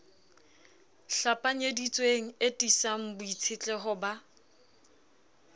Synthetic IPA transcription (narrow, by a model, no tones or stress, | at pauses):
ɬapʼaɲedit͡sʼweŋ̩etʼisaŋ̩bʊit͡sʰɪt͡ɬʼɛɦʊba